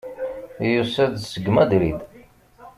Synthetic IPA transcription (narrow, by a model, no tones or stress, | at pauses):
jusæðsəɡːmæd̪ɾid̪